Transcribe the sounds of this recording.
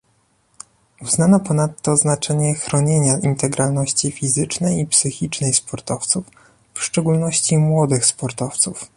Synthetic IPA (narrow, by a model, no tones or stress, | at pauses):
uznanɔpɔnat̪ːɔznat͡ʂɛɲɛxɾɔɲeɲaʔint̪ɛɡɾalnɔɕt͡ɕifʲizɘt͡ʂnɛjipsɘxʲit͡ʂnɛjspɔɾt̪ɔft̪suf | fʂt͡ʂɛɡulnɔɕt͡ɕimwɔd̪ɘxspɔɾt̪ɔft̪suf